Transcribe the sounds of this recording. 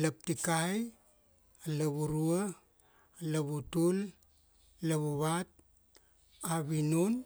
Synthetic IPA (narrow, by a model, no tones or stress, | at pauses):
lap̚tikaj | alaβuɾua | laβutul | laβuβat̚ | aβinun